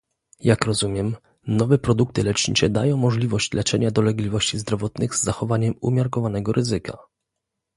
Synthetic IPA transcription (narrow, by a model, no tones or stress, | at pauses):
jakɾɔzumʲjɛm | nɔvɛpɾɔd̪uk̚t̪ɘlɛt͡ʂɲḭt͡ʂɛd̪ajɔ̃w̃mːɔʐlʲivɔɕt͡ɕlɛt͡ʂɛɲad̪ɔlɛɡlʲivɔɕt͡ɕizd̪ɾɔvɔt̪nɘɣzːaxɔvaɲɛmṵmʲjaɾkɔvanɛɡɔɾʔɘzɘka̰